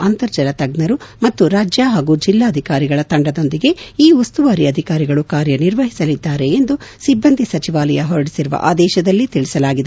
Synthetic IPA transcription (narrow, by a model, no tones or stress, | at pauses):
ɐnt̪ɐɾd͡ʒɐlɐt̪ɐɡnɐɾumɐt̪ːuɾaːd͡ʒjaɦaːɡuːd͡ʒilːaːɐd̪ʱikaːɾiɡɐɭɐt̪ɐɳɖɐd̪o̞nd̪iɡe̞iːust̪uʋaːɾiɐd̪ʱikaːɾiɡɐɭukaːɾjɐniɾʋɐɦisɐlid̪ːaːɾe̞ːnd̪usibːɐnd̪ʱisɐt͡ʃiʋaːlɐjɐɦɔɾɐɽisiɾuʋɐ̰ʔa̰ːd̪ɛːʃɐd̪ɐlːit̪iɭisɐlaːɡid̪